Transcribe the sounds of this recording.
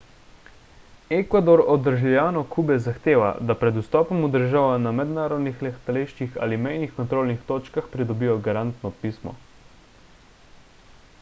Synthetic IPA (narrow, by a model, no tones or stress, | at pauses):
ɛkʋad̪oɾɔd̪əɾʒiljaːnɔkʰuːbɛzaxt̪eːʋa̰d̪apɾɛd̪ust̪ɔːpɔmud̪əɾʒaːʋanamɛd̪naːɾɔd̪nixlɛxt̪aleːʃt͡ʃixa̰ːlimɛjnixkɔnt̪ɾoːlnixt̪oːt͡ʃkaxpɾid̪ɔbiːjɔɡaɾant̪nɔpiːsmɔ̰